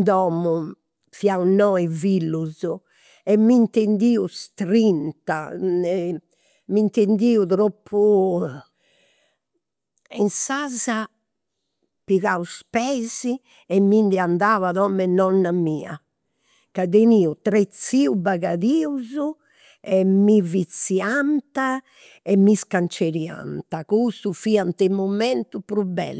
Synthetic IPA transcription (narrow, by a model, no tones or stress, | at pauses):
d̪ɔmu | fjaunɔivilːuzu | ɛmːint̪end̪iːust̪ɾint̪aɛ | mint̪end̪iːuðɾopʰːu | insaːza | piɣauspɛːzi | ɛmːind̪ɛand̪aːvaðɔmɛnɔnːamiːa̰ | kad̪eniːut̪ɾet̪sːiːubaɣaðiːuzu | ɛmivit̪sːiant̪a | ɛmːiskant͡ʃeɾia̰nt̪akust̪ufiːant̪ɛmɔmɛnt̪upɾubːɛ̰lː